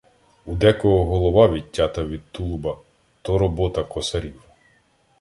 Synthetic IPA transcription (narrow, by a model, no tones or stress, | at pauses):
ud̪ɛkɔɦɔɦɔlˠɔʋɑʋʲitʲːɑt̪ɐʋʲid̪̚t̪ulˠʊbɐ | t̪ɔɾɔbɔt̪ɐkɔsɐɾʲiw